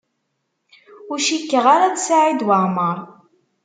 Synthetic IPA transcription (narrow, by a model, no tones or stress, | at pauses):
ʊɾʃikːəʁaɾad̪saʕid̪wəʁməɾˤ